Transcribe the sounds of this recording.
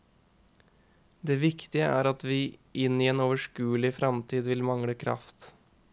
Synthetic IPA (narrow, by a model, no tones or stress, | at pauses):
d̪eːʋɪkt̪ɪəʔæ̰ːɾɑt̪ʋiːʔɪniːeːnoːʋəʂkʉːəlɪfɾɑmt̪ʰiːd̪ʋɪlmɑŋɽəkʰɾɑ̰ft̪